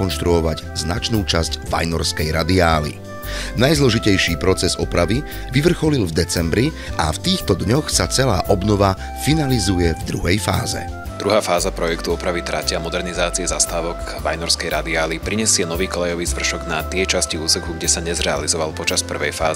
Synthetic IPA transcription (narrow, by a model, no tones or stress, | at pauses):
ɔnʃt̪ɾuɔʋaɟznat͡ʃnuːt͡ʃazɟʋa̰jnɔɾskɛjɾad̪iaːlḭ | najzlɔʒicɛjʃiːpɾɔt͡sɛzɔpɾaʋi | ʋiʋr̩xɔlilvd̪ɛt͡sɛmbɾi | aft̪iːxt̪ɔd̪ɲɔxsat͡sɛlaːʔɔbnɔʋa | finalizujɛvd̪ɾuɦɛjfa̰ːzɛ̰ | d̪̥ɾuɦaːfaːzapɾɔjɛkt̪uɔpɾaʋit̪ɾacɪamɔd̪ɛɾnizaːt͡siɛzast̪aːʋɔɡ | ʋajnɔɾskɛjɾad̪iaːlipɾiɲɛsɪɛnɔʋiːkɔlɛjɔʋiːzʋr̩ʃɔɡnat̪ɪɛt͡ʃasciuːsɛkluɡɟɛsaɲɛzɾɛalizɔʋalpɔt͡ʃaspr̩ʋɛjfa̰ːz